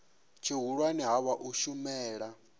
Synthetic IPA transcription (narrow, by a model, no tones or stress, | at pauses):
t͡ʃʰiɦuɺwaniɦaβaʔuʃumɛːɺa